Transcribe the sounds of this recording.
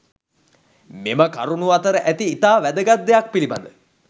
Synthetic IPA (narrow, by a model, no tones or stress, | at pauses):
meməka̰ɾunuat̪əɾəʔæt̪iːt̪aːʋæd̪əɡat̪̚d̪ejak̚piliba̰nd̪ə